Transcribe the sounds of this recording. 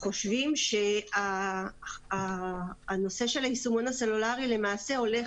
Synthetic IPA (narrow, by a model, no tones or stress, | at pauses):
χo̞ʃvimʃe̞aː | no̞se̞ʃe̞laisumonase̞lulaʁile̞maːse̞o̞le̞